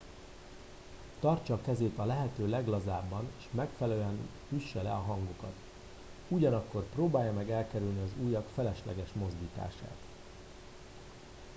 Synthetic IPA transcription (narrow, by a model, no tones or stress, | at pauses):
t̪ɒrt͡ʃɒːkɛzeːt̪ɒlɛɦɛt̪øːlɛɡlɒzaːbːɒneːʃmɛkfɛlɛløɛn | yʃːɛlɛ̰ɒɦɒŋɡokɒt̪ | uɟɒnɒkːo̞rproːbaːjɒmɛɡɛlkɛɾylniɒzuːjɒkfɛlɛʃlɛ̰ɡɛʃmo̞zd̪iːt̪a̰ːʃa̰ːt̪